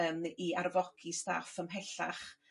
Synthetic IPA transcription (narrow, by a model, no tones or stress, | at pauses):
əmiarvɔkʰista̰fəmɦɛɬa̰χ